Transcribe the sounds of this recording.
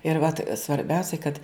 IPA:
ɪr ʋɐt sʋɐrʲˈbʲɛʊsʲɛɪ kɐt

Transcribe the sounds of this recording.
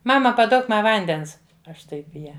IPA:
ˈmɑːmɐ pɐˈduɔk ˈmɐ ˈʋɐnʲdʲɛns ˈɐʃ ˈtɐɪp ɪ ˈjæː

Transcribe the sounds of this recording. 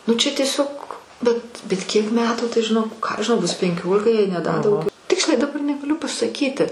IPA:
nʊ ˈt͡ʃʲɛ tʲiɛˈsʲoːk bʲɛt bʲɛt ˈkʲiɛk ˈmʲæːtuː tɐɪ ʒʲɪˈnoːk ˈkɑː ɐʃ ʒʲɪˈnɐʊ ˈbʊs pʲɛŋʲˈkʲoːlʲɪkɐ jɛɪ nʲɛ dɐ dɐʊˈɡʲɛʊ ˈtʲɪksʲlʲɛɪ dɐˈbɐr nʲɛɡɐˈlʲʊ pɐsɐˈkʲiːtʲɪ

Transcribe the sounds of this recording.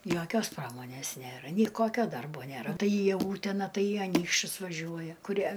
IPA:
ˈjoːkʲoːs ˈprɑːmoːnʲeːs ˈnʲeːrɐ ˈnʲɛɪ ˈkoːkʲoː ˈdɐrboː ˈnʲeːrɐ ˈtɐɪ iː ˈuːtʲɛnɐ ˈtɐɪ iː ɐˈnʲiːkʃʲt͡ʃʲʊs ʋɐˈʒʲuɔjɛ kʊˈrʲiɛ

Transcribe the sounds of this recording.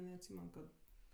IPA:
nʲɛɐtʲˈsʲiːmʲɛn kɐt

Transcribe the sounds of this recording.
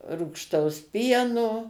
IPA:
ruːkʃˈtɐʊs ˈpʲiɛnoː

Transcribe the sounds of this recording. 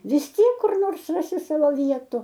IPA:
ʋʲɪs ˈtʲiɛk kʊr ˈnoːrs ˈrɑːsʲɪ ˈsɑːʋoː ˈʋʲiɛtʊ

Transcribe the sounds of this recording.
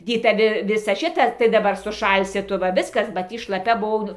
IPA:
ˈdʲiː tɐˈʋʲɪ ˈʋʲɪsɐ ˈʃʲɪtɐ tɐɪ dɐˈbɐr sʊˈʃɐlʲsʲɪ ˈtʊ ʋɐ ˈʋʲɪskɐs bɐ ˈtʲiː ʃlˠɐˈpʲɛ bʊˈʋɐʊ

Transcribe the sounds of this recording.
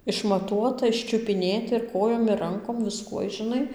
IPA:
ɪʃmɐˈtuɔtɐ ɪʃʲt͡ʃʲʊpʲɪˈnʲeːtʲɪ ɪr ˈkoːjoːm ɪr ˈrɐŋkoːm ʋʲɪˈskuɔj ʒʲɪˈnɐɪ

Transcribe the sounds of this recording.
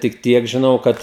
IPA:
tʲɪk ˈtʲiɛk ʒʲɪˈnɐʊ ˈkɐt

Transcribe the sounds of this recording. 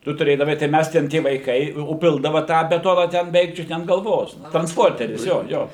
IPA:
ˈtʊ tʊˈrʲeːdɐʋɐɪ tɐɪ ˈmʲæs tʲɛn ˈtʲiɛ ʋɐɪˈkɐɪ oː ˈpʲɪlˠdɐʋɐ ˈtɑː bʲɛˈtoːnɐ tʲɛn bʲɛˈʋʲɛɪk ˈt͡ʃʲʊt nʲɛ ɐn ɡɐlˠˈʋoːs trɐnsˈpoːrʲtʲɛrʲɪs ˈjoː ˈjoː

